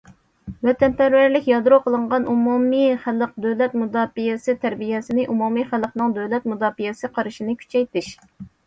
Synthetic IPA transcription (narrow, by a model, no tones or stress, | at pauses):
vɛt̪ɛnpæɾwæɾlɪkʲjɑd̪ɾoqʰəlˠɨɴʁɑnumumiχælˠəq̚d̪øwlɛt̪mud̪ɑːfijɛsɪt̪ʰæɾbijɛsɪnɪʔumumiχælˠəqnɨŋd̪øwlɛt̪̚mud̪ɑːfijɛsɨqʰɑɾɨʃinɪkʲʰy̥t͡ʃʰɛjt̪ɪʃ